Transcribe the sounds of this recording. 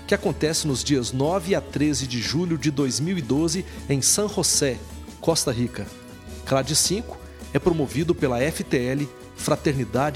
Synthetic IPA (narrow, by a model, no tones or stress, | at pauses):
kɪakõnt̪ɛsɪnʊzd͡ʒiɐznɔvɪat̪ɾezɪd͡ʒɪʒuʎʊd͡ʒɪd̪ojzmiwid̪ozɪẽj̃sɐ̃hosɛ | kɔst̪ɐɦikɐ | klad͡ʒɪsĩkʊ̥ | ɛpɾomovid̪ʊpelɐɛfɪt̪eɛlɪ | fɾat̪eɾnid̪ad͡ʒ